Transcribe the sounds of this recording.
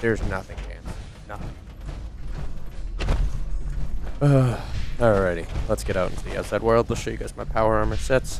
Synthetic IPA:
ðə˞znʌθɪ̃ŋkʰæ̰̃nə | nʌθɪ̃ŋ | ʌ | ɹɛɾilətsɡ̥ɛɾaʊʔn̩sia̰sɛɪd̚wɜ˞lˠdˡləʃjɨɡazmaɪpʰaʊə˞ə̃nmə˞sɪts

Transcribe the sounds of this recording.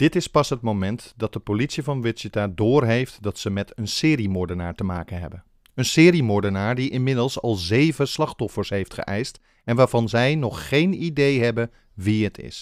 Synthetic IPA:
d̥ɪtɪspɑsɦət̚mowmɛntdɑt̚dəpolitsivɑnʋɪtsitaːdʊːɹɦejftdɑtsəmɛtənsɪːɾimɔɹdənaːɹtəma̰ːkənɦɛ̰bən | ənsɪːɾimʊɹdənaːɹdiʔɪnmɪdəlˠsɑ̰lˠzejvəslɑχtɔfəɹsɦejftχə̰ʔɛjst | ɛnʋaːɹvɑnzɛjnɔχːejnidejɦɛbən | ʋiɦətʰɪ̰s

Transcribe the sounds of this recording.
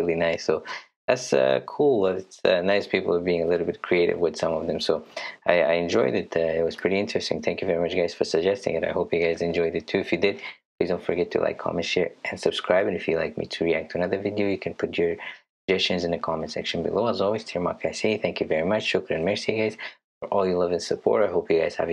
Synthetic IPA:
ɹɪlˠinaɪsːoʊ | ðæ̰tsʌ̰kʰulˠbʌɾɨtsʌnaɪspʰipl̩ˠʌvbiɪ̃ŋəlɪɾl̩ˠbɪt̚kʰɹ̥ieɪɾɨ̰vwɨð̥sʌ̃mʌvðɨ̃msoʊaɪa̰ɪɨ̃nd͡ʒɔɪdɪtʌɪt̚wʌz̥pʰɹ̥ɪɾiɪ̃nt͡ʃɹ̥ɨstɪ̰̃ŋθæ̃ŋkjʉvɛɹimʌt͡ʃɡ̥aɪz̥fə˞sɨɡ̚d͡ʒɛstɪ̰̃ŋɨɾa̰ɪhoʊpjɨɡaɪzaɪɨ̃nd͡ʒɔɪdɨtʰʉɨfjɨdɪd̚ | idõʊ̃ntfə˞ɡɛtʰɨ̰lʔa̰ɪkʰːɑ̰mɨ̃nʃɛɹʔɨ̃nsɨb̥skɹaɪbɨ̃nɨfjɨla̰ɪk̚mḭtʰɨɹiæk̚tʰɨənʌðə˞vɪdioʊjɨkʰɨ̃npʰʊt͡ʃə˞ | d͡ʒɛst͡ʃɨ̃nzɨ̃nɨkʰɑmɨ̃ntsɛ̰kʃɨ̃nbɨ̰loʊazɔlˠwiz̥tʰiɹmɑ̰kʰaɪseθæ̃ŋkjɨvɛɹimʌt͡ʃt͡ʃʊkə˞ɨ̃nmɛɹsiɡaɪz̥ | fə˞ʔɔlˠjɨlʌvɨ̃nsɨpʰɔ̰ɹɾaɪɦoʊpjɨɡaɪz̥hæ̰v

